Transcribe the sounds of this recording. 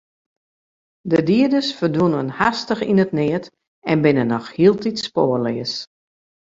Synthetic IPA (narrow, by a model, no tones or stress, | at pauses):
dədiədəsfərdunənhastəxinətnɪət | ɛnbɪnənːɔxhiəlˠtitspoːəlɪəs